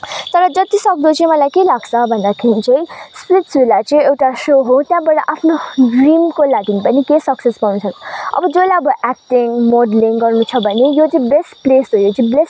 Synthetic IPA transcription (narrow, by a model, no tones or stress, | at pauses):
t̪ʌɾʌd͡zʌt̪isʌk̚d̪ot͡sʌĩmʌlajkelaɡt͡sʰʌbʱʌnd̪akʰeɾĩt͡sãĩspliʈsulat͡sʌĩewʈasoɦot̪jãbaɽʌʔapʰnoɖrimkolaɡinipʌnikesʌksespanut͡sʰʌkʌ̰bʌd͡zolaʌbʌʔɛk̚ʈiŋmoɖliŋɡʌrnut͡sʰʌbʱʌnejot͡sʌĩbesʈplesojot͡sʌ̃bles